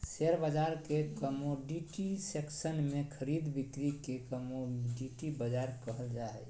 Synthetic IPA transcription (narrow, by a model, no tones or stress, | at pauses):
seɾbəd͡ʒaɾkekəmoɖiʈiseksənmekʰəɾid̪bikɾikekəmoɖiʈibəd͡ʒaɾkəɦəld͡ʒaɛ